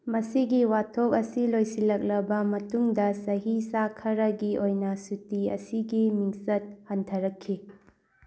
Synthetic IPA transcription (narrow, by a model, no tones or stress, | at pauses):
mɐsiɡiwatʰop̚ɐsilojsilɐk̚lɐbɐmɐtuŋdɐsɐɦisakʰɐɾɐɡiʔojnɐsutiɐ̰siɡimiŋsɐt̚hɐntʰɐɾɐkʰːi